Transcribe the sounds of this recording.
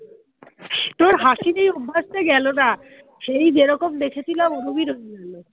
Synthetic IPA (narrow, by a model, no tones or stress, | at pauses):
t̪oɾɦaʃinejobʱːaʃt̪eɡɛlona | ʃejd͡ʑeɾɔkomd̪ekʰet͡ɕʰilamonobiɾoeɡalo